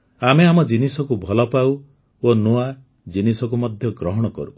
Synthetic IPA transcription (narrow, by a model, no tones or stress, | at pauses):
ameamɔd͡ʒinisɔkubʱɔlɔpaw | onua | d͡ʒinisɔk̬umɔd̪ʱjɔɡɾɔɦɔɽ̃ɔkɔ̰ɾu